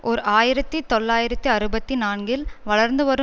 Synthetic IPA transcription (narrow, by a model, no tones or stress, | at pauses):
ʔɔɾɯaːjɪɾɐt̪ːɯt̪ɔɭːaːjɪɾɐt̪ːɯɐɾɯbɐt̪ːinaːnɡɪlʋɐɭɐɾnd̪ɯʋɐɾɯ